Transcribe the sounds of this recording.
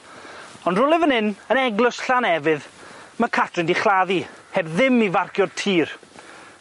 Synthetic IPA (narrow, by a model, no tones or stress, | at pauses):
ɔndrʊlˠɪvənɪnənɛɡlɪsɬanɛvɨðmakʰatʰrɨndiχlˠaðihɛbðɪmivarkjɔd̚tʰiːr